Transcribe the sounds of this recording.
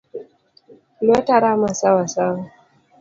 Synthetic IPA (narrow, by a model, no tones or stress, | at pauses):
lwɛtaɾamasawasawa